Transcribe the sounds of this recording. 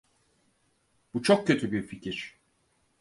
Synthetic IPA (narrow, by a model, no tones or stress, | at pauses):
b̥ut͡ʃʰok̚cʰø̞t̪ʰybiɾficʰiɾ̥